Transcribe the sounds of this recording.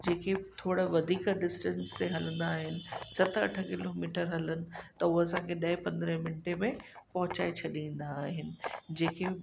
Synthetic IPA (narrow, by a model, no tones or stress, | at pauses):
d͡ʑeːket̪ʰoːɽəʋɐd̪ʱiːkɖɪsʈə̃nst̪eɦɐlə̃nd̪aːɦɪnɪ̆sɐt̪ʰɐ̰ʈʰə̆kɪloːmiːʈəɾɦɐlənɪ̆t̪ɐʊoɐsãkʰeɗɐɪpɐ̃nd̪ɾə̃ɦmɪnɪʈemẽpɐɦʊt͡ɕaːet͡ɕʰɐɗĩːn̆d̪aːɦɪnɪ̆d͡ʑeːkʰe